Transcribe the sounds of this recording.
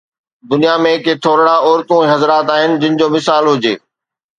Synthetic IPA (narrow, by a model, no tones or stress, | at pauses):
d̪ʊnijamẽkʰet̪ʰoːɾɽaɔːɾt̪ũiɦɐzɾaːt̪aːɦɪnɪ̆d͡ʑɪnɪ̆d͡ʑoːmɪsaːlɦʊd͡ʑeː